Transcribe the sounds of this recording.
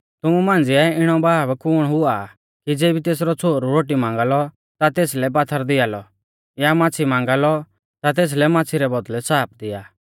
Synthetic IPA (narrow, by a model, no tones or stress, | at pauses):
t̪ʊmumãːnd͡zɪɛɪɽ̃ɔbaːbkʊːɽɦʊa | kid͡zeːbit̪eːs̬ɾɔt͡sʰoːɾuɾoːʈimãːŋ̆ɡalɔ | t̪at̪eːslɛpat̪ʰəɾd̪ɪalɔ | jamãːt͡sʰimãːŋɡalɔ | t̪at̪̬eːs̬lɛmãːt͡sʰiɾɛbɔd̪lɛsaːp̚ʰd̪ɪjaː